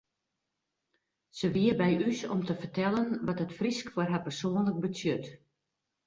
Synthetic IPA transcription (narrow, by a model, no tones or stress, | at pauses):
səʋiərbɛjysɔ̰mtəfərtɛlˠənʋɔtətfriskfɔrɦapərsoənlək̚bətsjøt